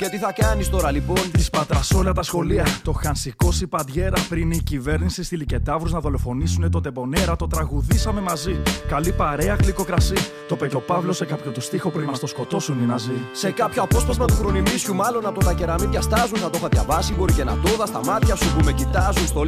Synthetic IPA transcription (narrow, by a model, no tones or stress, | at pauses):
ce̞t̪iθɐkɐnist̪o̞ɾɐlipo̞nt̪ispɐt̪ɾɐso̞lɐt̪ɐsxo̞liɐt̪o̞xɐnsiko̞sipɐd̪ʝe̞ɾɐpɾiniicive̞ɾnisist̪ilice̞t̪ɐvɾuznɐðo̞lo̞fo̞nisune̞t̪od̪e̞bo̞ne̞ɾɐt̪o̞t̪ɾɐɣuðisɐme̞mɐzikɐlipɐɾe̞ɐkliko̞kɾɐsi | t̪o̞pet̪o̞pɐvlo̞se̞kɐpçot̪ust̪ixopuɾimɐst̪osko̞t̪o̞suninɐzise̞kɐpçoɐpo̞spɐzmɐt̪uxɾo̞nimisçumɐlo̞nɐpo̞t̪ɐce̞ɾɐmiçɐst̪ɐzunθɐt̪o̞xɐðʝɐ̰vɐsibo̞ɾice̞nɐ̰t̪o̞ðɐst̪ɐmɐt̪çɐsupumecit̪ɐzunst̪o